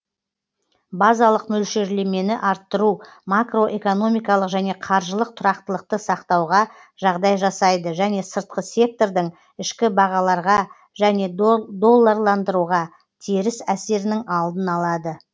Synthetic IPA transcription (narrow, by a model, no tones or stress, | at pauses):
bɑzɑlˠəqmɵlʃe̞ɾle̞me̞nɪʔɑɾt̪ːəɾumakro̞ʔe̞ko̞no̞mijkɑlˠəqʒæne̞qʰɑɾʒəlˠəq̚t̪ʰʊɾɑqt̪əlˠəq̚t̪əsɑqt̪ɑwʁɑ | ʒ̥ɑʁd̪ɑjʒɑsɑjd̪əʒæne̞səɾt̪̚qəse̞k̚t̪o̞ɾd̪ɪŋ | ɪʃkʲɪbɑʁɑlˠɑɾʁɑ | ʒæne̞d̪o̞lˠːɑɾlˠɑnd̪əɾuʁɑ | t̪ʰeɾɪsæse̞ɾɪnɪŋɑlˠd̪ənɑlˠɑd̪ə